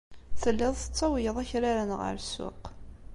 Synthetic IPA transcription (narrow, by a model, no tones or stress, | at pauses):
θəlːɪðˤθət͡sːɑwjəðˤæçɾaɾənʁə̰ɾsːʊ̰q